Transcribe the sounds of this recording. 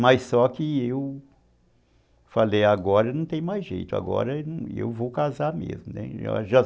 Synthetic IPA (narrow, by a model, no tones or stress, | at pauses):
mɐjsɔkɪew | falejaɡɔɾɐnɐ̃w̃t̪ẽj̃majzʒḛjt̪ʊa̰ɡɔ̰ɾɐñḛwvowkazamḛzmʊnɛ̰ʒa̰ʒa